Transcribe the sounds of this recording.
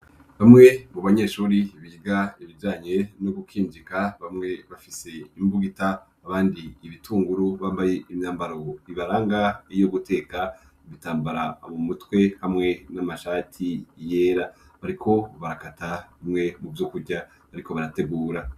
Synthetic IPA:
βamŋe̞muβaɲe̞ʃuːɾiβiːɡaiβid͡ʒaːɲe̞noɡukiːnd͡ʒikaβamŋe̞βafise̞imbuɡitaː | βaːndiːβitʰuːŋɡuɾuβaːmbaje̞ʔimɲaːmbaɾo̞iβaɾaːŋɡaijo̞ɡutʰe̞ːka | uβitaːmbaɾamumutwe̞hamŋe̞namaʃatʰije̞ːɾa | βaɾikʰo̞βaɾakataβimŋe̞muvjokuɾɟa | βaɾiko̞βaɾate̞ɡuːɾa

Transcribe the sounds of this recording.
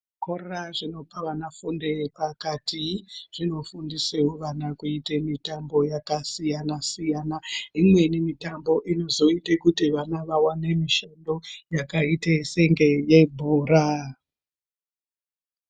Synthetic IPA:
korraʐino̞paʋanafundepakatʰiʐ̥ino̞fundisewoʋanakuitemitambo̞jakasijanasijanaimwe̞nimitambo̞ʔino̞zo̞itekutiʋanaʋawane̞miʃando̞jakaiteseŋɡe̞je̞bʱuːɾa

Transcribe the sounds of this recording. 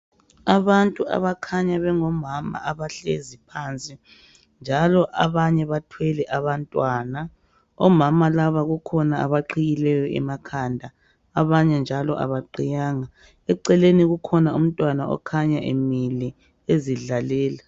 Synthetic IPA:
aβantʼua̰βakʰaɲaβɛŋɔmama̰ʔaβaɬezipʰant͡sʼi | nd͡ʒʱalɔʔaβaɲɛβatʰwɛlɛʔaβantʼwaːna | ɔmamalaβaɣukʰɔnaa̰βaǃiɣilɛjɔʔɛ̰makʰandʱa | aβaɲɛnd͡ʒʱalɔ̰ʔa̰βaǃijaːŋa | ɛǀɛleniɣukʰɔnaum̩tʼwanaɔ̰kʰaɲaʔḛmilɛ | eziɮalɛːla

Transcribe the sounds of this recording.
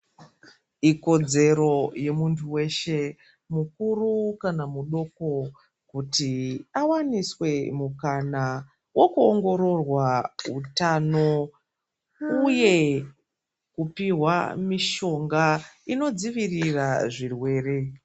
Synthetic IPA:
iko̞d͡ze̞ɾo̞je̞muntʰuwe̞ʃe̞ | mukurukanamuɗo̞ko̞ | kutiawaniswe̞mukana | wo̞kuoŋɡo̞ɾo̞rwaṵtano̞ | uje̞ | kupiɦwamiʃo̞ŋɡaino̞d͡ziʋiriraʐirwe̞ːre̞

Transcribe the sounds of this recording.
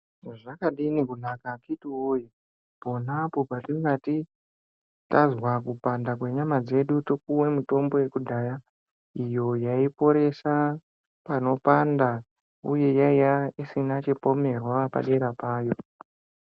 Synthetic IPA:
ʐakaɗinikunakakitiwoji | po̞napo̞patiŋɡati | tazwakupandakwe̞ɲamad͡ze̞ɗutok̚uwe̞muto̞mbo̞je̞kudʱaːja | ijo̞jaipo̞ɾe̞sa | pano̞panda | ṵje̞jaijaisinat͡ʃepo̞me̞rwapa̰ɗeɾapaːjo̞

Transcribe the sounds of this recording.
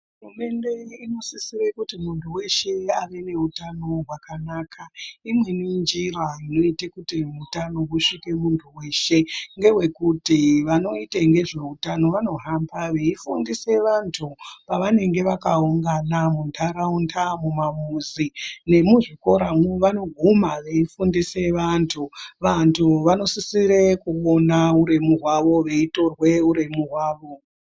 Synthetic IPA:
ɦurume̞nde̞ino̞sisirekutimuntʰuwe̞ʃe̞aʋe̞ne̞utano̞ɦwakanaːkʰaimwe̞nind͡ʒiraino̞itekutiutano̞kuʂike̞muntʰuwe̞ːʃe̞ŋɡe̞ɦwe̞kutiʋano̞iteŋɡe̞ʐe̞utano̞ʋano̞ɦambaʋeifundise̞ʋantʰupaʋane̞ŋɡe̞ʋakauŋɡanamuntʰaɾauntʰamumamuzine̞muʐiko̞ɾamuʋano̞ɡʱumaʋe̞ifundise̞ʋantʰuʋantʰuʋano̞sisiɾekuo̞nauɾe̞muɦwaʋo̞ʋe̞ito̞rwe̞uɾe̞muɦwaːʋo̞

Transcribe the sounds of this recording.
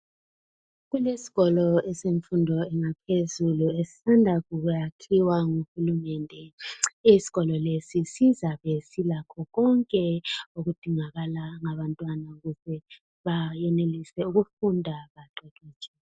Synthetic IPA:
ɣulesi̥ɣɔlɔɛseɱfundʱɔɛŋapʰezuluesi̥sandʱaɣuɣujakʰiwaŋuhulumɛndʱɛisi̥ɣɔlɔlesisizaβesilakʰɔɣɔŋkʼɛoɣud̥ʱiŋaɣalaŋaβantʼwanauɣuzɛ | βajɛnelisɛuɣufundʱaβaǃɛɣiːt͡ʃʰʼɛ

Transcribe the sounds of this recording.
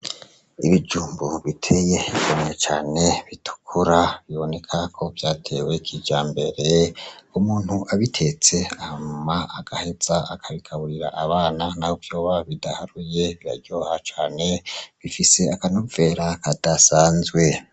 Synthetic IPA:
iβid͡ʒuːmbuβitʰe̞je̞ɡomet͡ʃaːne̞βitʰu̥kʰuɾaβiβo̞ne̞kʰakʰo̞vjaːtʰe̞we̞kʰid͡ʒaːmbe̞ɾe̞umuːn̥huʔaβitʰe̞t͡se̞ahmaːɡ̥ahe̞z̥aakʰaβikʰaβuɾiɾa̰ʔaβaːnanahovjo̞ːβaβidahaɾuje̞βiɾa̰ɾɟoːhat͡ʃaːne̞βifise̞akanuve̞ɾakad̥asaːnzɡwe̞

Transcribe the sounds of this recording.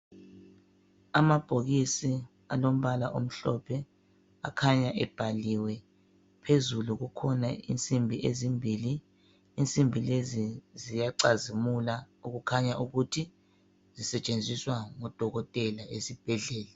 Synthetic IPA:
amab̥ʱoɣisi | alom̩βala̰ʔom̩ɬɔpʰɛ | a̰kʰaɲaʔɛb̥ʱaliwɛ | pʰezuluɣukʰɔnaḭnt͡sʼimbʱiʔezimbʱiːliː | nt͡sʼimbʱilezizijaǀazimula | uɣukʰaɲaʔuɣutʰi | z̥isɛt͡ʃʼend͡zʱiswaŋɔd̥ʱɔɣɔtʼɛlaesib̥ʱɛɮɛːla

